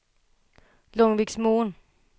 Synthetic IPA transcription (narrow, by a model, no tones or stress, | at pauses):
lɔŋʋiɡ̥smoːn